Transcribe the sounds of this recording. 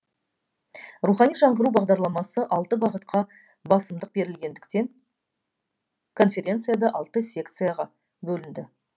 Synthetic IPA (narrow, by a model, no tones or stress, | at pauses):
ruχɑnijʒɑɴʁəɾubɑʁd̪ɑɾlˠɑmɑsəʔɑlˠt̪əbɑʁət̪qʰɑ | bɑsəmd̪əq̚be̞ɾɪlɡʲe̞nd̪ɪkt̪e̞ŋ | kʰo̞nfʲe̞ɾʲe̞nt̪sɨjad̪ɑʔɑlˠt̪əsʲe̞kt̪sɨjaʁɑ | bɵlɪnd̪ɪ